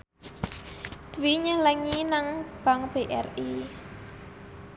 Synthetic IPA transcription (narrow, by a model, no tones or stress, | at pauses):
d̪̥wiɲələŋinaŋb̥a̤ŋb̥eʔɛre